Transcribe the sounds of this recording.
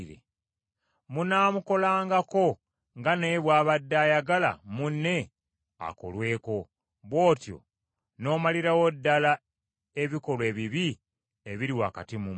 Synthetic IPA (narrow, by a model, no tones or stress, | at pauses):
ɾḛ | munaːmuko̞laːŋɡako̞ | ŋɡane̞βwaːβadːaːjaɡala̰munːe̞ | a̰ko̞̰lwe̞ːko̞ | βwo̞ːtjo̰ | no̞ːmaliɾawodːala | e̞βiko̞lwe̞ːβiβi | eβiɾiwaːkatimum